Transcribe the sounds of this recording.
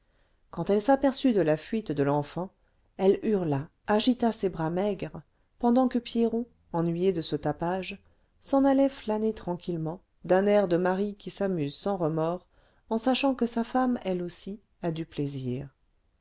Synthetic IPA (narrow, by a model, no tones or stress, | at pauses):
kɑ̃t̪ɛlsapɛʁsyd̪əlafɥit̪d̪əlɑ̃fɑ̃ | ɛlyʁla | aʒit̪asebʁamɛɡʁ | pɑ̃d̪ɑ̃kəpjeʁɔ̃ | ɑ̃nɥijed̪əsət̪apaʒ | sɑ̃nalɛflanet̪χɑ̃kʲilmɑ̃ | d̪ɛ̃nɛʁd̪əmaʁikʲisamyzsɑ̃ʁəmɔʁ | ɑ̃saʃɑ̃kəsafamɛlosi | ad̪ypleziːʁ